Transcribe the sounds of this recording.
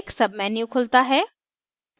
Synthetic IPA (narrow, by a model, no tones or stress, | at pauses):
ksɐb̚mɛːnjũkʰʊlt̪aɦɛː